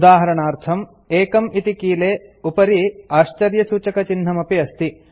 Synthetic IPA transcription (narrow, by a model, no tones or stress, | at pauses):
d̪aːɦɐɾɐɳaːɾt̪ʰɐm | eːkɐmit̪ikiːleːupɐɾiaːʃt͡ʃɐɾjɐsuːt͡ʃɐkɐt͡ʃinɦɐmɐpiɐst̪i